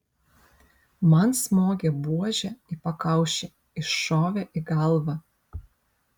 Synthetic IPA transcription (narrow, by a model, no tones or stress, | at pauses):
mɐnsmoːɡʲebuɔʒʲɛɪpɐkɐˑʊʃʲɛ | ɪʃoːʋʲɛʔɪɡɐlˠʋɑ